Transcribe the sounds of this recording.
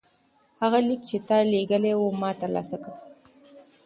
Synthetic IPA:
haɣalik̚t͡ʃetaleɡalewomatalʔa̰saka

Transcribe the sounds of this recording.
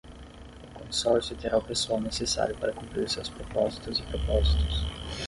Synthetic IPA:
ʊkõsɔɾsjʊt̪eɾaʊpesuawnesesa̰ɾjʊpaɾɐkũmpɾiɾsḛwspɾopɔzit̪ʊzɪpɾopɔzit̪ʊ̥s

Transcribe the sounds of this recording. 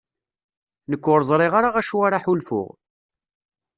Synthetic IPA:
nəkʷːʊɾˤəzˤɾˤɪʁaɾaʁæʃuwaɾaħulfʊ̰ʁ

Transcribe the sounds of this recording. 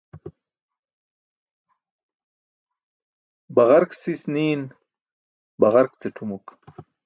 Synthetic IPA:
baʁaɾksisniːn | baʁaɾkt͡seʈʰumuk

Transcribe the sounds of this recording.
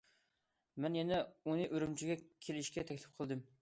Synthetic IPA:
mɛnjɛnɛunɨʔøɾymt͡ʃʰiɡʲɛkʲʰelɪʃkʲɛt̪ʰɛkʲlɪp̚qʰəlˠd̪ɨm

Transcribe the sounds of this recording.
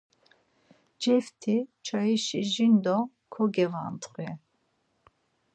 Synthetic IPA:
d͡ʒɛft̪ʰit͡ʃʰaiʃiʒind̪ɔ | kʰɔɡɛva̰nt̪ʰʼχwɛ

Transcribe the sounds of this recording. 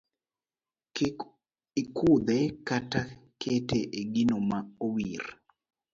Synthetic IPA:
ikʰud̪ɛkatakʰeteʔeɡinomaowir

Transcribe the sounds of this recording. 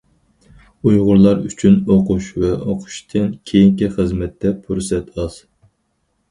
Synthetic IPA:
ujʁʊɾlˠɑɾyt͡ʃʰynoqʰʊʃvɛʔoqʰʊ̥ʃt̪ʰɨnkʲʰejiŋkʲiχəzmɛt̪ʰːɛpʰuɾsɛt̪ʰɑz̥

